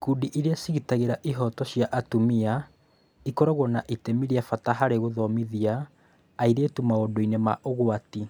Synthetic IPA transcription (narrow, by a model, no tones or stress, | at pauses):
kuːdiʔiɾeasiɣitaɣeɾaʔiɦɔtɔɕjaʔatumia | ikɔɾɔɣwɔnaʔitemiɾiafataɦaɾeɣoðɔmiðiaː | iɾeːtumaodoinema̰ʔoɣwati